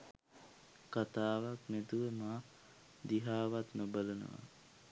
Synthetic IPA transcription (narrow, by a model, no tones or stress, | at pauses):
kat̪aːʋakmet̪uʋemaː | d̪iɦaːʋat̪nobalənə̰ʋa̰